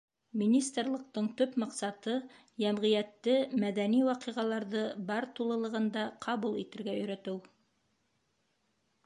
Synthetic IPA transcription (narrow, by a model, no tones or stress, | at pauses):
mʲinʲist̪rlˠɤ̆q̚t̪ɤɴt̪ɵpmɑqsɑt̪ɤ | jæmʁĭjæt̪ːɘmæðæniwɑqiʁɑlˠɑɾðɤbɑɾt̪ulˠɤ̆lˠɤ̆ʁɤ̆nd̪ɑqʰɑβulˠit̪ɘ̆ɾɡæɵ̆jɾæ̆t̪ɘw